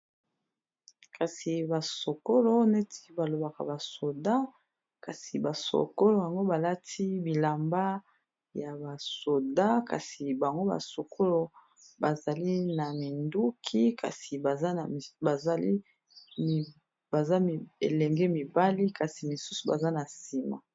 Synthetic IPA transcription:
kʰa˨si˨ba˨so˨ko˦lo˦ne˦tʰi̥˦ba˨lo˨ba˨ka˨ba˨so˨da˦ | ka˨si˨ba˨so̰˨ko˦lo˨ja˨ŋɡo˦ba˨la˦ti˦bi˨la˨mba˦ | ja˨ba˨so˨da˦ka̰˨si˨ba˨ŋɡo˦ba̰˨so˨kʰo˦lo˨ | ba˨za˨li˦na˨mi˨ndu˦kʰi˦kʰa̰˨si˨ba˨za˦na˨ba˨za˨lḭ˦˨ | ba˨za˦m˨ḛ˨lɛ˨ŋɡɛ˦mi˨ba˦li˦ka˨si˨mi˨su˦su̥˨ba̰˨za˦na˨si˨ma̰˨

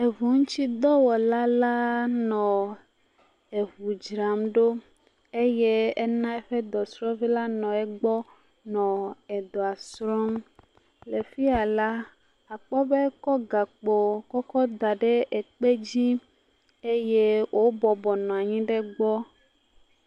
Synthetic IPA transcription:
e˨vu˨ŋũ˦t͡ɕi˦d̪ɔ˦wɔ˨la˦la˦nɔ̃˨ | e˨vu˨d͡ʒɾa˨mɖo˦ | e˦je˦e˦nã˦ɛ˦ɸe˦d̪ɔ˨sɾɔ̃˦vi˦la˦nɔ̃˨ɛ˦ɡ͡bɔ˦ | nɔ̃˨ɛ˨d̪o˨a˨sɾɔ˦m | le˨fi˦a˨la˦ | a˨k͡pɔ˦be˦kɔ˦ɡa˨k͡po˨kɔ˦kɔ˦d̪a˨ɖe˦ʔe˨k͡pe˦d͡ʑi˦ | e˦je˦wʔo˦bɔ˨bɔ˨nɔ̃˨a˨ɲĩ˦ɖe˦ɡ͡bɔ˦

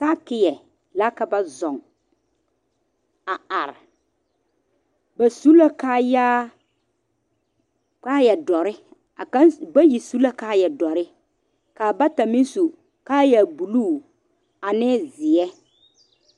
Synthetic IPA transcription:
ka˦kɪ˦jɛ˨ | la˦ka˦ba˦zɔ˨ŋ | a˨a˨ɾɪ̰˨ | ba˨su˦la˦kaː˦˨jaː˦ | ka˦jɛ˨dɔ˨ɾɪ˦ | a˨ka˦ba˦ji˨su˦la˦kaː˦jɛ˨dɔ˨ɾɪ˦ | kaː˨ba˦ta˨mɪ˦n˦su˨ | ka˦ja˨bu˨luː˦˨ | a˨nɛː˦zɪ˨ɛ˦

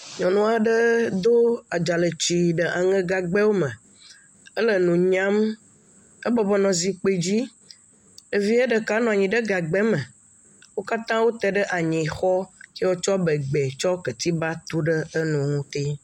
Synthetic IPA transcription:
ɲɔ̃˨nũ˦a˨ɖə˦d̪o˦a˨d͡ʒa˨lə˨t͡ʃi˨ɖə˨ʔa˨ŋə̃˦ɡa˨ɡ͡bɛ˦wo˦mə̃˨ | ə˦lə˨nũ˨ɲã˦m | ə˦bɔ˨bɔ˨nɔ̃˨zi˨k͡pe˨d͡ʑi˦ | ə˨vi˦ə˦ɖə˨ka˦nɔ̃˨a˨ɲĩ˨ɖə˦ɡa˨ɡ͡bɛ˦mə̃˨ | wo˦ka˦t̪ã˦wo˦t̪ɛ˨ɖə˦ʔa˨ɲĩ˨xɔ˦ke˦wo˦t͡ʃɔ˦bə˨ɡ͡bɛ˨t͡ʃɔ˦kə˨t̪i˦ba˦t̪u˦ɖə˦ə˦nũ˨ŋũ˦t̪e˦

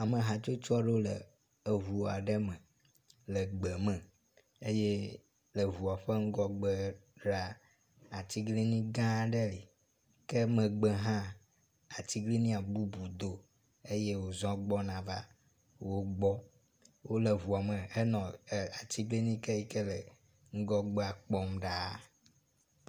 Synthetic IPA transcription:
a˨mə̃˨ɦã˨t͡ʃo˦t͡ʃɔ˦ɖe˦o˦lə̰˨ | e˨ɦu˨a˨ɖə˦mə̃˨ | lə˨ɡ͡bɛ˨mɛ̃˨ | e˦je˦ | lə˨vu˨a˨ɸe˦ŋ̩˦ɡɔ˦ɡ͡bə˨ɖɾa˨ | a˨t̪i˦ɡli˦nĩ˦ɡã˦ɖə˦li˨ | kə˦mə̃˨ɡ͡bɛ˨ɦã˦ | a˨t̪i˦ɡli˦nĩ˦a˨bu˦bu˨d̪o˨ | e˦je˦wo˨zɔ̃˦ɡ͡bɔ˦nã˨va̰˦ | wo˦ɡ͡bɔ˦ | wo˦le˨vu˨a˨me˨e˦nɔ̃˨a˨t̪i˦ɡli˦nĩ˦kɛ˦i˦ke˦lɛ˨ | ŋ̩˦ɡɔ˦ɡ͡bɛ˦a˨k͡pɔ˦mɖa˦˨

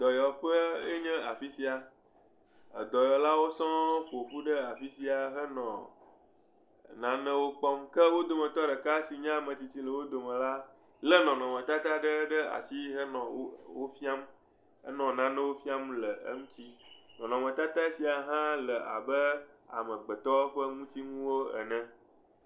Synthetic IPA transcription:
d̪ɔ˨jɔ˨ɸə˦e˦ɲɛ̃˦a˨fi˦si˦a˨ | ə̰˨d̪ɔ˨jɔ˨la˦wo˦sɔ̃˦ɸo˨ɸu˦ɖə˦a˨fi˦si˨a˨ɦə˦nɔ̃˨ | nã˦nə̃˦wo˦k͡pɔ˦mkə˦wo˦d̪o˨mə̃˨t̪ɔ˦ɖə˨ka˦si˨ɲã˦a˨mə̃˨t͡ɕi˨t͡ɕi˦lə˨wo˦d̪o˨mə̃˨la˦ | lə˦nɔ̃˨nɔ̃˨mə̃˨t̪a˦t̪a˦ɖə˦ɖə˦a̰˨si˦ɦə˦nɔ̃˨˦wo˦fi˦a˦m | ə̰˦nɔ̃˨nã˦nə̃˦wo˦fi˦a˦mlə˨ə̰˦ŋũ˦t͡ɕ̪i˦nɔ̃˨nɔ̃˨mə̃˨t̪a˦t̪a˦si˨a˨ɦã˦lə˨a̰˨bə˦a̰˨mə̃˨ɡ͡bə˨t̪ɔ˦ɸə˦ŋũ˦t̪i˦ŋũ˦wo˦ɛ̰˨nɛ̃˦

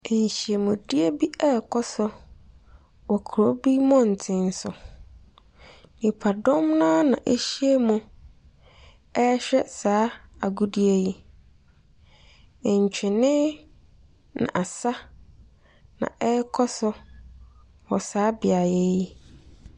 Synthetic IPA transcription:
e˨ɲ˨ɕi˨e˨mʊ̃˨di˦e˦bi˦ɛ˦˨kʰɔ˦sʊ˦ | wɔ˨kʰu˨ɾo˦bi˦mɔ̃˦n̩˨tʰɪ̃˦n˦sʊ˨ | nĩ˨pʰa˨dɔ̃˦mnã˦nã̰˨ʔe˦ɕi˦e˦mũ˨ | ɛ˦ɕᶣɛ˦saː˨˦a˨ɡu˦di˦e˦ji˦˨ | ɲ̩˨t͡ɕᶣɪ˨nɪ̃˦ | nã̰˨ʔa˨sa˦ | nã̰˨ʔɛ˦kʰɔ˦sʊ˦ | wɔ˨saː˨˦bɪ˨a˨je˦ji˦

